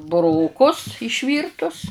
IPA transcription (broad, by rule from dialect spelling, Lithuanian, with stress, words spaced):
bʊˈroːkʊs ɪʃʲˈʋʲiːrtʊs